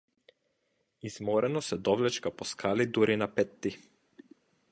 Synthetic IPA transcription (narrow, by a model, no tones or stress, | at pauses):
iz̥mɔɾɛnɔsɛd̪ɔvlɛt͡ʃkapɔskʰalid̪uɾinapɛt̪ːi